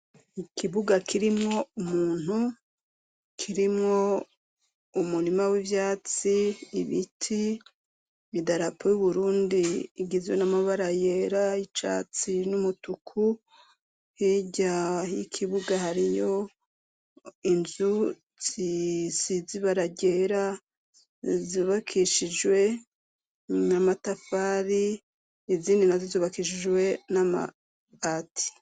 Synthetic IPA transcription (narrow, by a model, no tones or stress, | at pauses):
ikʰiβuɡakʰiɾimŋo̞umuːn̥hu | kʰiɾimŋo̞ | umuɾimawivjaːt͡siːβitʰi | midaɾapʰojuβuɾuːndiɡizjonamaβaɾajeɾait͡ʃa̰t͡sinumutukʰu | hiɟajikʰiβuɡahaɾijo̞ | inzu | z̥isiziβaɾaɟe̞ɾa | ziβakʰiʃid͡ʒwe̞ | namatafaːɾiː | ziːndinazizuːβakiʃ̬id͡ʒwe̞nama̰ | atʰi̥